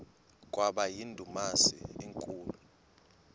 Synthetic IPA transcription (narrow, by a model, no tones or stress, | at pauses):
k̬ʼwaɓajindʱumasḭiŋkʼuːlu